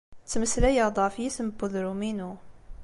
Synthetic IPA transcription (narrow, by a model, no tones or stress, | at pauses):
t͡sːməslæjɑd̪ˤɑfjisəməbuðɾuminu